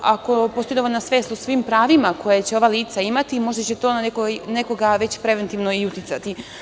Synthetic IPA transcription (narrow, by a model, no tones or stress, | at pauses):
ako̞post̪o̞id̪oolʲnasʋe̞ːst̪osʋimpɾaːʋimako̞jet͡ɕeo̞ʋaliːt̪saimat̪imo̞ʒd̪at͡ɕet̪o̞ːnekone̞ko̞ɡaʋe̞t͡ɕpɾe̞ʋe̞nt̪iʋnoiut̪it̪sat̪i